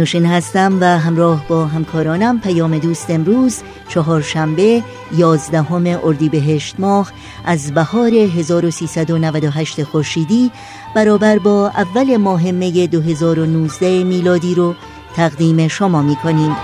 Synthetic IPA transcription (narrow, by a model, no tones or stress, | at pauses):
nuːʃiːnhæst̪æmvæɦæmɾɒːhbɒːɦæmkʰɒːɾɒːnæmpʰæjɒːme̞d̪uːst̪emɾuːz | t͡ʃʰɒɦɒːɾʃæmbe̞ | jɒːzd̪æɦo̞me̞ʔoɾd̪iːbe̞ɦe̞ʃt̪mɒːh | ʔæzbæhɒːɾe̞ɦe̞zɒːɾo̞siːsæd̪o̞nævæd̪oɦæʃt̪e̞xoɾʃiːd̪iː | b̥æɾɒːbæɾbɒːʔævːæle̞mɒːɦe̞mːe̞je̞d̪oɦe̞zɒːɾo̞nuːzd̪æemiːlɒːd̪iːɾo | t̪ʰæɣd̪iːme̞ʃomɒːmiːkʰo̞niːmd̪